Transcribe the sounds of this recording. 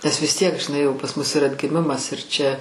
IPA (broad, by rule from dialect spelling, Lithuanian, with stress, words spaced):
nʲɛs ʋʲɪs ˈtʲiɛk ʒʲɪˈnɐɪ jɛʊ pɐs mʊs ɪr ɐdʲɡʲɪˈmʲɪmɐs ɪr ˈt͡ʃʲɛ